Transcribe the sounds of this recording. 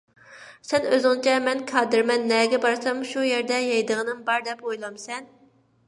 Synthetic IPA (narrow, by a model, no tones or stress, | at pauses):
sɛnøzɪŋt͡ʃʰɛmɛnkʰɑːd̪ɨɾmɛnːɛɡʲɛbɑɾsɛmʃujeɾd̪ɛjɑjd̪əʁənɨmbɑɾd̪ɛpojlˠɑmsɛn